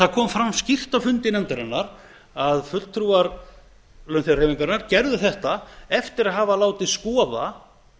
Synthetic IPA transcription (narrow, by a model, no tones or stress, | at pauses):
θaðkʰɔːmfɾamːscɪft̪afʏnt̪ɪnɛnt̪aɾɛnːaɾ | aðfʏt̪l̥t̪ʰɾuːaɾ | lœnθjareːviŋkaɾnːaɾcɛɾðʏθɛht̪aɛft̪ɪɾaðɦaːvalaːwt̪ɪðskɔːða̰